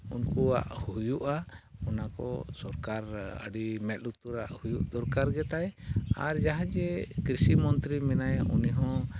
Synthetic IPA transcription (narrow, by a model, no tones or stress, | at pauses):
unkua̰ʔhujuʔaɔnakɔ̰sɔɾkaɾə̰ɖimɛt̪̚lut̪uɾaʔhujuʔd̪ɔɾkaɾɡɛt̪ajaɾd͡ʒaɦad͡ʒɛkɾisimɔnt̪ɾimɛnajṵniɦɔ̃